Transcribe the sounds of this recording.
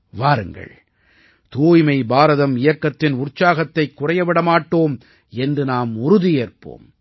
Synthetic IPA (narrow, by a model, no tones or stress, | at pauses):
ʋaːɾɯ̰ŋɡɐ̰ɭ | t̪uːjmɐɪbaːɾɐðɐmɪjɐkːɐt̪ːɪnʊrt͡ʃːaːɣɐt̪ːɐɪkːʊrɐjɐʋɪɽɐmaːʈːoːm | ɛndrɯnaːmʊɾʊðijeːrpo̰ːm